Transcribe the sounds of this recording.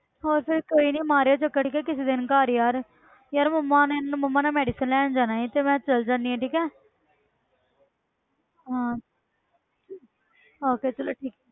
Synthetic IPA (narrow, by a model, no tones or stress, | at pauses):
oːɾpɪɾkoːiːnĩːmaːɾeoːt͡ʃəkːəʈʰiːkɛːkɪseːd̪ɪnkaːɾijaːɾ | jaːɾmʊmːãːnnmʊmːãːnãːmɛːɖiːsənlɛːɳd͡ʒaːnaːĩːt̪eːmɛ̃ːt͡ʃəld͡ʒãːnd̪iːɛ̃ːʈʰiːkɛː | ɦãː | oːkeːt͡ʃəloːʈʰiːkɛː